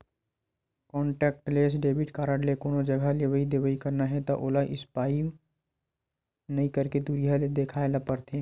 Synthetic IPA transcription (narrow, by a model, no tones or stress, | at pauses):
kɔːɳʈɛːk̚ʈleːs̬ɖeːbɪʈkaːɾəɽlekoːnod͡ʒɐɡʱaleʋəid̪eːʋəikɐɾnaɦɛt̪aʔoːlaʔɪspaːi | nɐĩkəɾked̪uːɾijaled̪eːkʰaːelapəɾt̪ʰeː